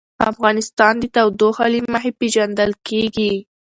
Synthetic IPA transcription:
a̰fɣɑnɪst̪ɑnd̪ət̪awd̪oxɑliməɦepeʒand̪əlkeɡi

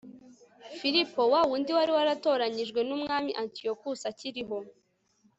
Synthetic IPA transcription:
fiɾipo̞wawuːndiwaɾiwaɾato̞ːɾaɲiʒɡwe̞numŋaːmiʔantio̞kusaciɾiɦo̞

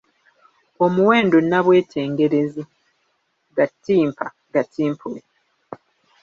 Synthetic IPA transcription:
o̞muwe̞ːndo̞naβwe̞ːtʰe̞ːŋɡe̞ɾe̞zi | ɡatːiːmpʰa | ɡatiːmpʰule

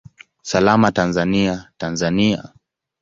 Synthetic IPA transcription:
salamatanzaniatanzania

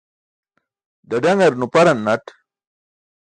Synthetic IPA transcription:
d̪ɐɖɐŋɐɾnupɐɾɐnːɐʈ

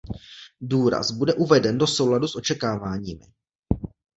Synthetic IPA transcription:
duːɾa̰zbudɛʔuvɛdɛndo̞so̞wladusʔo̞t͡ʃɛkaːvaːɲiːmɪ̰

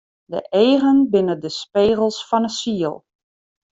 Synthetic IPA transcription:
də̰ʔeːɣənbɪnədəspeːɣəl̩ˠsfɔnəsiəlˠ

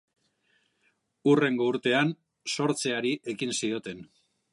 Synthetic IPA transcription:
ure̞ŋɡo̞uɾt̪e̞an | so̞ɾt͡se̞aɾiʔe̞kinsio̞t̪e̞n

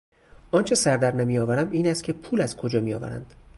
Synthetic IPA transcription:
ɒːnt͡ʃʰe̞sæɾd̪æɾnæmijɒːvæɾæmiːnæst̪̚cʰe̞pʰuːlæzkʰod͡ʒɒːmijɒ̰ːvæ̰ɾæ̰nd̪̥

